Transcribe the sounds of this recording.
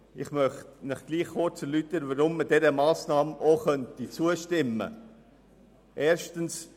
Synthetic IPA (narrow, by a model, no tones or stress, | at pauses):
ɪχmœχtnəχɡ̥liːχːʊt͡səlytəɾvəɾʊmːəd̥ɛɾəmɑːsnɑːmoχœntit͡suəʃtɪmːə̰ | ʔeːɾʃtəns